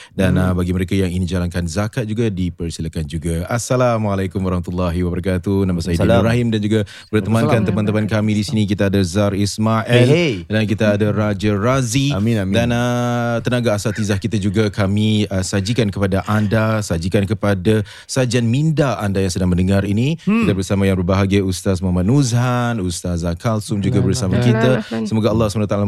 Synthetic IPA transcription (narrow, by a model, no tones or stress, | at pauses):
danəbaɡiməɾekajaŋinid͡ʒalaŋkanzakat̪̚d͡ʒuɡadipərsilakand͡ʒuɡaasalamalajkumwaɾɑhmat̪ulːaɦiwabəɾakat̪unamasajidibɾaɦimdand͡ʒuɡa | bərt̪əmãkant̪əmant̪əmankamĩdisinik̬it̪aːdazarismaʔɛldankit̪aːdaɾad͡ʒarazidanət̪ənaɡaːsat̪izahkit̪ad͡ʒuɡakamiəsad͡ʒikankəpadaʔandasad͡ʒikankəpada | sad͡ʒanmindaandajaŋsədaŋmə̃ndəŋaɾinikit̪abəɾsamãjaŋbərbaɦaɡajust̪asmamat̪̚nuzhanust̪azakalsʊmd͡ʒuɡabərsamakit̪asəmoɡaalːɑhsəpanat̪ala